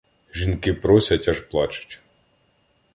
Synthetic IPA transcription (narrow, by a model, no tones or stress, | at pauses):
ʒʲinkɪpɾɔsʲɐtʲɐʒplˠɑt͡ʃʊ̥tʲ